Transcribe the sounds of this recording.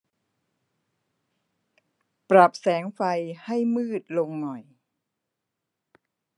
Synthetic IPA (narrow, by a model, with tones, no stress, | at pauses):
pɾa˨˩p̚sɛː˩˦ŋfa˧jha˥˩jmɯː˥˩t̪̚lo˧ŋːɔ˨˩j